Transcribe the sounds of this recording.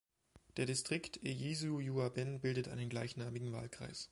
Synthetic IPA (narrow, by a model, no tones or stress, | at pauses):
d̥eːɐdistʁ̥ɪktʰejizujuabɛnbɪldətʔaɪnənɡlaɪçnaːmɪɡŋ̩va̰ːlkʁ̥a̰ɪs